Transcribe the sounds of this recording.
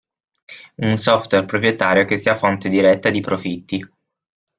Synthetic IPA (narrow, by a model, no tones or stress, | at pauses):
unsɔft̪werpɾopɾjet̪aːɾjok̟esːiafont̪ed̪iɾɛt̪ːad̪ipɾofit̪ːi